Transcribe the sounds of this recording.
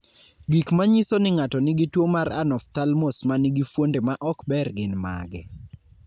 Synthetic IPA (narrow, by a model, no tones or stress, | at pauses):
ɡikmaɲisonɪŋatɔnɪɡitwomaɾanɔft̪almosmanɪɡifwondemaʔɔkbɛrɡɪnma̰ɡɛ̰